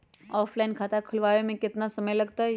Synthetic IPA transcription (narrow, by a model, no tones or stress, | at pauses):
ɔːflaːɪnkʰaːt̪akʰʊlʋaːʋemẽkɪt̪nasɐməjlɐɡt̪aɦɛ